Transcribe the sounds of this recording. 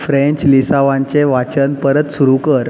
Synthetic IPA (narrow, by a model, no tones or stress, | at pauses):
fɾẽɲt͡ɕlisaʋãɲt͡ɕeʋat͡ɕənpəɾət̪suɾukəɾ